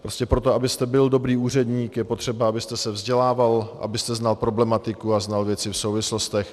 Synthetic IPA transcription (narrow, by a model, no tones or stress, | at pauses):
pɾo̞scɛpɾo̞t̪oabɪst̪ɛbɪldo̞bɾiːuːr̝ɛdɲiːkjɛpot̪r̝̥ɛbaabɪst̪ɛsɛvzɟɛlaːvalʔa̰bɪst̪ɛznalpɾo̞blɛmat̪ɪkuaznalvjɛt͡sɪfsowvɪslo̞st̪ɛx